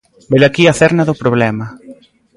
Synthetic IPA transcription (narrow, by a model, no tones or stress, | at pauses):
belakiaθɛɾnaðʊpɾoβlɛmɐ